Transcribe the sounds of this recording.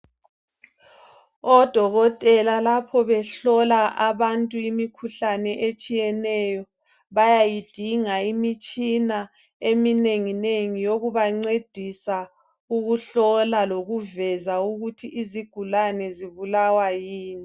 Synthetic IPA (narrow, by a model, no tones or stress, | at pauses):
ɔd̥ʱɔɣɔtʼɛlalapʰɔβɛɬɔlaʔaβantʼuimikʰuɬanɛʔet͡ʃʼijɛnɛjɔ | βajajid̥ʱiŋaimit͡ʃʼina | emineŋineŋijoɣuβaŋ͡ǀed̥ʱisa | uɣuɬɔlaloɣuvɛzauɣutʰiʔiziɡ̥ʱulanɛziβulawajiːni